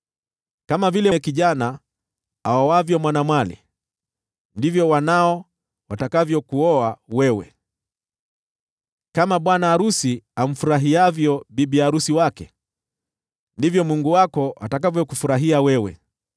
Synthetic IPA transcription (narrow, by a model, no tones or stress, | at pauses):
kamavilɛkiʄana | a̰awavjɔmwanamwalḭ | ndivjɔwanaɔ | watakavjɔkuɔawɛwɛ̰ | kamaɓwanaːɾusiam̩fuɾaɦiavjɔɓiɓiaɾusiwakɛ̰ | ndivjɔmuŋɡuwakɔʔa̰takavjɔkufuɾaɦiawɛwɛ̰